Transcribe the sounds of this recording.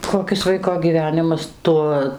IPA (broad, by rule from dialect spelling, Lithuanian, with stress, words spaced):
koːˈkʲɪs ˈʋɐɪkoː ɡʲiːˈʋʲæːnʲɪmɐs ˈtuɔ